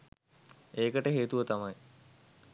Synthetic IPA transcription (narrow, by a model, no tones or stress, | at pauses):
eːkəʈəɦeːt̪uʋət̪amaj